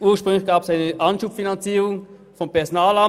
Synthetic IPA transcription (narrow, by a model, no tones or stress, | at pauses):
ʔuːɐʃpʁ̥ʏŋlɪçɡ̥aːpəsaɪnəʔɑnʃuːpfinɑnt͡siːʁʊŋ | fɔmpɛɐzonaːlɑ